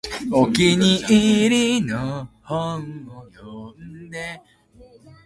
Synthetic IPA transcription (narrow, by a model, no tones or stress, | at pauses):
okʲiɲiiɾinohoojomd̪e